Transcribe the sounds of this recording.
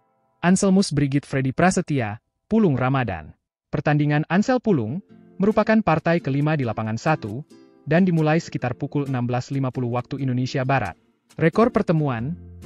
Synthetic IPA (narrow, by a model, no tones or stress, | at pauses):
ʔansəlmusbɾiɡɪt̪̚fɾedipɾasət̪ia | pulʊŋramada̰n | pərt̪andiŋanansɛlpulʊ̰ŋ | məɾupakanpart̪ajkəlimadilapaŋansat̪u | dandimulajsə̥kit̪arpukulənambəlaslimapuluhwak̚t̪uindonesiabaɾa̰t̪̚ | rɛkɔr̚pərt̪əmuan